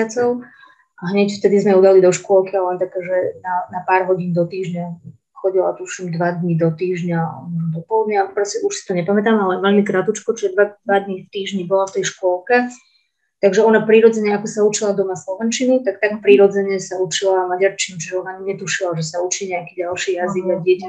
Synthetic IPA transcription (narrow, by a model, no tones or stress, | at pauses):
at͡sɔʊ | aɦɲɛcft̪ɛd̪izmɛud̪alid̪ɔʃkʊɔlkialɛnt̪akaːʒɛnanapaːɾɦɔɟind̪ɔt̪iːʒɲa | xɔɟila̰t̪uʃimd̪ʋad̪ɲid̪ɔt̪iːʒɲad̪ɔpɔlud̪ɲaapɾɔscɛuʃsi̥t̪ɔɲɛpamɛt̪aːmalɛʋɛʎmikɾat̪ut͡ʃkɔt͡ʃiʒɛd̪ʋad̪ʋad̪ɲift̪iːʒɲibɔlɔft̪ɛjʃkʊɔlkɛ | t̪aɡʒɛɔnapɾiɾɔd͡zɛɲɛakɔsaut͡ʃilad̪ɔmaslɔʋɛnt͡ʃinut̪akt̪akpɾiɾɔd͡zɛɲɛsaut͡ʃilamaɟaɾt͡ʃinut͡ʃiʒɛɔnaɲɛt̪uʃilaʒɛsaut͡ʃiːɲɛakiːɟalʃiːjaziɡaɟɪɛca